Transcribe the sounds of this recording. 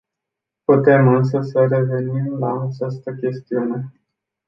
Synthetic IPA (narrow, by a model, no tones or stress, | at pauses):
put̪e̞mɨns̬əsəre̞ve̞nimlaːt͡ʃast̪əkʲe̞st̪iune̞